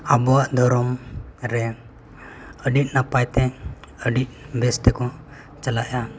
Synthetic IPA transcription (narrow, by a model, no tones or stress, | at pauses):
abɔwaʔd̪ʱɔɾɔmɾɛ | əɖit̪̚napajt̪ɛəɖit̪̚ˀbɛst̪ɛkɔ | t͡ʃəlaʔja